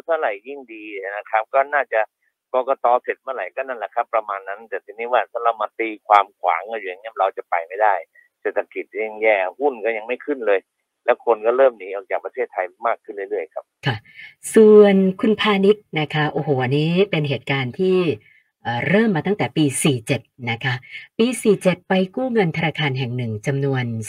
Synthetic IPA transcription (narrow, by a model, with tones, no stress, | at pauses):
a˧˩t̪ʰa˧˩ɾa˨˩jːi˥˩ŋdiː˧˨˩na˦˥kʰa˦˥p̚kɔː˥˩naː˥˩t͡ɕa˨˩ʔ | kɔː˧kɔː˧t̪ɔː˧pʰe˨˩t̪̚ma˧˥˩la˨˩˦jkɔː˥˩na˥˩nlɛ˨˩kʰa˦˥pːɾa˧maː˧nːa˦˥nt̪ɛː˨˩t̪ʰiː˧niː˦˥waː˧˩sʰa˧˥˩ɾa˧wmaː˧t̪iː˧kʰwaː˧mkʰwa̰ː˩˦ŋʔa˧˩juː˨a˨˩ŋi˦˥ɾa˧wt͡ɕa˨˩pa˨jma˥˩jdaː˥˩j | seː˨˩t̪ʰːa˧ki˨˩t̪̚jɛː˥˧˩ŋjɛː˥˩hu˥˩nkɔː˥˩ja˧ŋma˥˩jkʰɯ˥˩nlɤː˧j | lɛ˦˥wkʰo˧nkɔ˥˩ɾɤː˥˩mniː˨˦ʔɔː˨˧˩k̚t͡ɕaː˨˩k̚pa˧t̪ʰeː˥˩t̪ʰːa˧jmaː˥˩kʰːɯ˥˩lɯ˥˩˨lɯ˥˩əjkʰa˦˥p̚kʰa˦˥˩su˨˩ənkʰu˧npʰaː˧ni˦˥t̪̚na˦˥kʰa˦˥ʔoː˧˩ɦoː˨˩ʔa˧nːiː˦˥pe˧nɦeː˨˩t̪̚kaː˧nt̪ʰiː˥˩ | ʔəː˨˩ɾɤː˥˩mːaː˧t̪a˥˩ŋt̪ɛː˨˩piː˧siː˨˩t͡ɕe˨˩t̪̚na˦˥kʰa˦˥ʔpiː˧siː˨˩t͡ɕe˨˩t̪̚pa˧jkuː˥˩ŋɤ˧nt̪ʰa˧naː˧kʰaː˧nɦɛ˨˩ŋnɯ˨˩ŋt͡ɕa˧mnu˧ən